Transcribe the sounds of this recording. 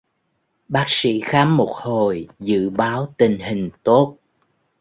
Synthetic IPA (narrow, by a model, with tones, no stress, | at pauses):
ɓaː˦˥k̚sḭ˧˥xaː˨˦mːo˨˩t̚ho˨˩jzɨ̰˧˨ɓaː˨˦wt̪ï˨˩ŋ̟hï˨˩ŋ̟t̪o˦˥t̚